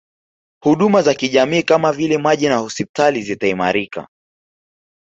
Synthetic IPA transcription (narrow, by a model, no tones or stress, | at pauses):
huɗumazakiʄamiːkamavilɛmaʄinahɔspi̥talizitaima̰ɾika̰